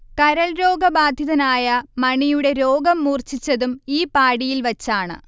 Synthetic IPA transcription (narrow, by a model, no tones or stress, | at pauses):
kɐɾɐɭɾo̞ːɡɐbaːd̪ʱjɐðɐnaːjɐmɐɳijuɽe̞ɾo̞ːɡɐmːuːrt͡ɕit͡ɕːɐðumiːpaːɽijilʋɐt͡ɕːaːɳɨ̰